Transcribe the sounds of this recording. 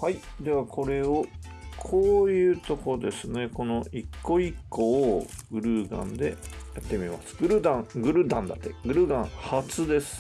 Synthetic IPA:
haid̪e̞βakʰo̞ɾe̞o | kʰoːjɯ̟ːt̪o̞ko̞d̪e̞sɨne̞ko̞no̞ikːo̞ikːo̞ːɡɯ̟ɾɯ̟ːɡã̰nd̪e̞̰jat̪ːe̞mʲima̰sɨ̥ɡɯ̟ɾɯ̟d̪ãɡɯ̟ɾɯ̟d̪ãnd̪a̰t̪ːeɡɯ̟ɾɯ̟ɡãɰ̃hat͡sɨd̪e̞sɨ̥

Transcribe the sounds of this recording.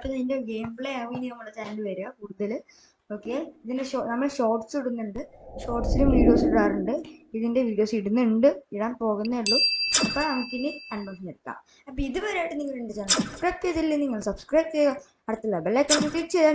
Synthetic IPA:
ɐpːɐnindeɡe̞ːmbɭeɐʋiːniɐmːɐɭːɐt͡ɕaːndɨʋɐɾuakuːɽuðɐl | oːkːeiðindeɕonɐmːɐɭɕo̞ːʈsiɽunːuɳɖɨɕo̞ːʈsilumʋiːɽijo̞ːsɽaːruɳɖɨiðinde̞ʋiːɽijo̞ːsiɽunːuɳɖɨiɽaːnpo̞ːɣunːɐeɭːuɐpːɐnɐmukʲːinːikɐɳbɐnsɐnːɐɽkːa̰ːm | ɐpːɐiðɨʋɐɾeaːjʈːɨniŋːɐɭiɳɖit͡ɕːaːnsɐbskrɐjp̚ʈ̪eðilːiniŋːɐɭsɐbskrɐjp̚t̪e | ɐɽɐt̪ːilːɐbelːekːɐniŋːɐɭt̪iʈt͡ɕejðaː

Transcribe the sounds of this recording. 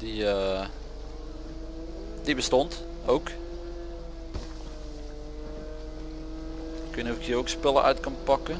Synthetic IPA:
d̥iə | dibəstɔnt | owk | kənuvəkiːrowkspɪlˠəʔœ̰ɥtkɑnpɑkə

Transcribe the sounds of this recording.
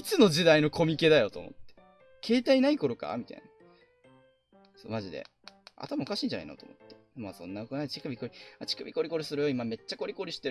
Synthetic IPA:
it͡sɨno̞d͡ʑid̪aino̞kʰo̞mʲike̞d̪ajo̞t̪o̞ːmo̞̰t̪ːe | kʰe̞ːt̪ainaiko̞ɾo̞ka̰mʲit̪a̰ḭna | so̰maʑid̪e̞̰ | a̰t̪amaokaɕiːɲ̟d͡ʑana̰ino̰t̪omot̪ːe̞̥ | maːsõ̞̰nːaokɯnat͡ɕi̥kabʲiko̞ɾʲiat͡ɕi̥kabʲḭko̞ɾʲiko̞ɾʲisɨɾɯ̟joimame̞t͡ɕːako̞ɾʲiko̞ɾʲiɕi̥t̪e

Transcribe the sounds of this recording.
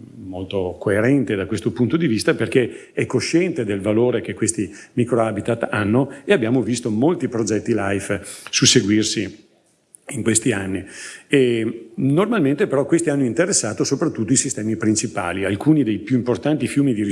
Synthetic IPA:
molt̪okoeɾɛnt̪ed̪akwest̪opunt̪od̪ivist̪aperke | ɛkːoʃɛnt̪ed̪elvaloːɾekekwest̪imikɾoabit̪at̪ːanːoeabːjaːmovist̪omolt̪ipɾod͡ʒɛt̪ːilajfsuseɡwirsi | iŋkwest̪ianːienormalment̪epeɾɔkːwest̪ianːoint̪eɾesːaːt̪osopɾat̪ːut̪ːoisist̪ɛːmipɾint͡ʃipa̰ːlialkuːnid̪ejpjuimport̪ant̪ifjuːmid̪iɾi

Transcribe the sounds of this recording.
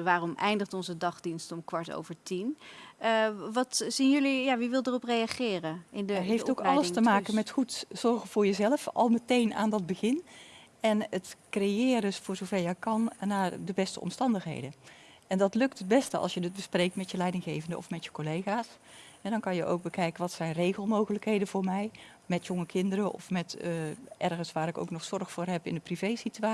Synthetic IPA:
ʋaːrɔmɛjndəχtɔnzədɑχdinstɔmkʋɑɹto̰wvəɹtin | ʋɑtzinjɵlijaːʋiʋɪlˠdərɔprejaχɪːrəɪndɦejfftowkɑləstəmaːkənmɛtχutz̥ɔrɣəvʊːɹjəzɛləfɑ̰lˠmətejna̰ːndɑd̚bəɣɪn | ɛnətkrejɪːrdøsfʊːɹzowvɛɹjɛjkɑnnaːdəbɛstə̰ɔ̰mstɑndəxɦḛjdəʔɛndɑtlɵk̚təd̚bɛstəɑ̰lˠsjədət̚bəsprejk̚tmɛtjəlɛjdɪŋɣejvəndəʔɔ̰fmɛtjəkolejɣaːs | ɦɛdɑnkɑnjəʔo̰wk̚bəkɛjkənʋɑtsɛjnrejɣəlˠmowɣələkɦejdənvʊːɹmɛj | mɛtjɔŋəkʰɪndəɾəʔɔ̰fmɛtʔɛrɣənsʋaːɾɪko̰wknɔχsɔrχfʊːrɦɛpɪndəprivejsitya

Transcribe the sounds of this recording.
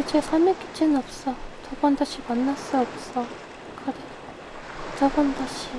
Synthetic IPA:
kit͡ɕesʰamek͈it͡ɕ͈ʰinʌp̚s͈ʌtʌbʌndaɕʰimʌnːas͈ɯʌp̚s͈ʌ | kɯɾe | tʌbʌndaɕʰi

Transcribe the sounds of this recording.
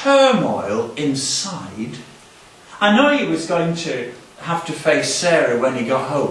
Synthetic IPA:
ɜ˞mɔɪlˠɪ̃nsaɪd | aɪnoʊjɨwʌzɡoʊɪ̃ŋtʰɨ | hæftɨfeɪsɛɹɨwə̃niɡɑʔ̚ɦõʊ̃

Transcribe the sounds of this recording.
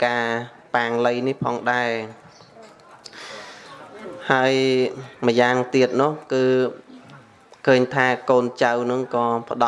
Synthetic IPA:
kaː | paːŋləjnihpʰɑːŋɗaɛ | haəjmə̆jaːŋt̪iət̪̚nʊ̆əhkɨː | kʰəːɲt̪ʰaːkoːnt͡ɕawnɨŋkɑːpə̆ɗɑ

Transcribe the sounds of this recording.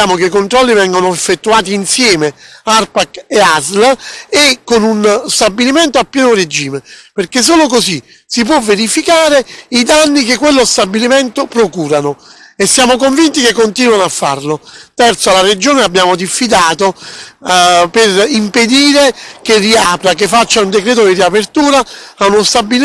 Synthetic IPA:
aːmokeikont̪ɾɔlːivɛŋɡonoefːet̪ːuaːt̪̬iːnsjɛːmearpakeazlekːonunst̪abːilimɛnt̪oapːjɛːnored͡ʒiːmeperkes̬ːoːlokosi | sip̬wɔvːeɾifikaːɾeid̪anːikekːwelːost̪abːilimɛnt̪opɾokuːɾanʊ | esːjaːmokoɱvint̪ikekːont̪iːnwanoafːa̰rlot̪ɛrt̪soalared͡ʒoːneabːjaːmod̪ifːid̪aːt̪o | perimped̪iːɾekerːiaːpɾak̬efːat͡ʃːaund̪ekɾɛːt̪ʊd̪iriapert̪uːɾaːunost̪abːi

